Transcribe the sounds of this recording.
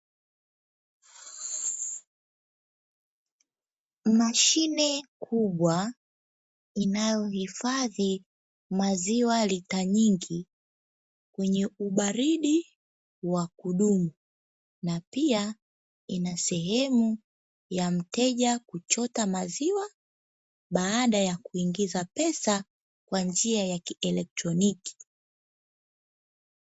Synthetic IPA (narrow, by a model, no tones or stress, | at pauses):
maʃinɛkʰuɓwa | inajɔhifaði | maziwalitaɲiŋɡi | kwɛɲɛuɓaɾiɗi | wakuɗumu | napia | inasɛɦɛmu | jam̩tɛʄakut͡ʃɔtamaziwa | ɓaːɗajakuiŋɡizapɛsa | kwand͡ʒiajakiɛlɛk̚tɾɔniki̥